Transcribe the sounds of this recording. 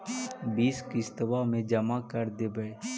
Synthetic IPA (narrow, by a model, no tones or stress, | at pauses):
biːskist̪əʋamẽd͡ʒəmakəɾd̪ebəɽ